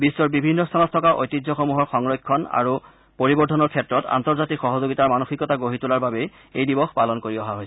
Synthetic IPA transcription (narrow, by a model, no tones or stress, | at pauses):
bisːɔɹbibʱinːɔst̪ʰanɔtʰɔkaʔo̰jtizʱɔxomuɦɔɹxɔŋɹɔjkʰːɔna̰ɹu | poɹibɔɹtʰɔnɔɹkʰɛtɹɔta̰ntɔɹzatikxɔɦɔzoɡitaɹmanoxikɔtaɡoɦitulaɹbabɛ | ejdibɔxpalɔnkoɹiɔɦaɦojsɛ